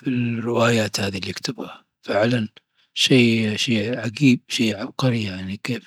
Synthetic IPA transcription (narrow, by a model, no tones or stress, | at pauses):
filrːɪwaːjaːt̪haːðilːikt̪ʊbha | fɪʕlan | ʃiːʃiːʕaɡiːb̚ʃiːʕabqɑɾijaʕnikeːf